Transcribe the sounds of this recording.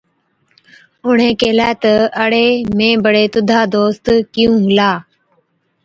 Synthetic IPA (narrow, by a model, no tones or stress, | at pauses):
ʊɳ̤ẽːkeːlɛːt̪əəɽeːmẽːbəɽeːt̪ʊd̪ʱaːd̪oːst̪kɪjũːɦlaː